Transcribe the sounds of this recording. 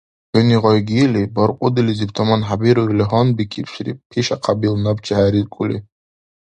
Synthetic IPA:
ħɔniʁɔjɡiɛlibɔɾqʼɔd̪ilizipʰt̪ʰɔmanħabiɾuɾliɦɔnbikʰipʰʃɾipʰiʃaqʰabilnabt͡ʃʰaɦaɾizkʼuli

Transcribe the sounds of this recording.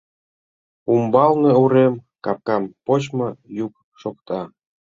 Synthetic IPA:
umbɑlneuɾemkɑp̚kɑmpot͡ɕmojuk̚ | ʃokt̪ɑ

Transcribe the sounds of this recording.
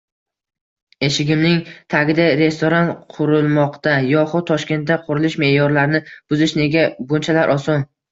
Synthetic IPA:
e̞ʃɪɡʲɪmnɪŋt̪ʰaɡʲɪd̪aɾe̞st̪oɾanqʰʊɾɪlˠmɒqt̪ajɒχʊd̪̚t̪ːʰɒʃkʲe̞nt̪̚d̪aqʰʊɾɪlɪʃme̞jɒɾlaɾnɪb̥ʊzɪʃne̞ɡʲabʊnt͡ʃʰalaɾʔɒsɒn

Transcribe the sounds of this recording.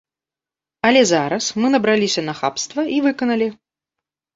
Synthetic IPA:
ɐlʲɛzaɾɐsmɨnɐbɾalʲisʲɐnɐxa̰pst̪vɐʔivɨkɐnɐlʲi

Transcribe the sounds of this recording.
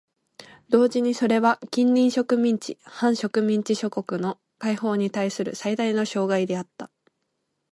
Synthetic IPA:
d̪̥o̞ːʑiɲ̟iso̞ɾe̞βakʲĩnɾʲĩɰ̃ɕo̞kɯ̟mʲĩɲ̟t͡ɕḭhãɰ̃ɕo̞kɯ̟mʲĩɲ̟t͡ɕiɕo̞ko̞kɯ̟no̞ | kaiho̞ːɲ̟it̪aisɨɾɯ̟̰said̪aino̞ɕo̞ːɡaid̪e̞at̪ːa

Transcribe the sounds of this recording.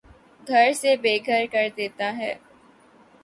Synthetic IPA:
ɡʱɐɾsebeːɡʱəɾkɐɾd̪eːt̪aɦɛː

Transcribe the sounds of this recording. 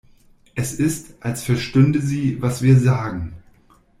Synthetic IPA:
ʔɛsɪstʔalsfɛɐʃtʏndəziːvasv̥iːɐzaːɡŋ̩

